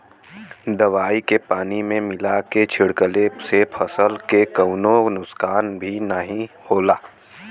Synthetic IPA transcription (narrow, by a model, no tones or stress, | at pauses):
d̪ɐʋaːikepaːnimẽmɪlaket͡ʃʰɪɽkəlesepʰəsəlkekəːnõnʊskaːnbʱinəɦĩ | hoːlaː